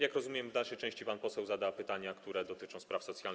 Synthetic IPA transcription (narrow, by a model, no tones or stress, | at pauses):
jakɾɔzumʲjɛmvd̪alʂɛjt͡ʂɛ̃w̃ɕt͡ɕipanpɔsɛwzad̪apɘt̪aɲakt̪uɾɛd̪ɔt̪ɘt͡ʂɔ̃w̃spɾafsɔt̪sʲjal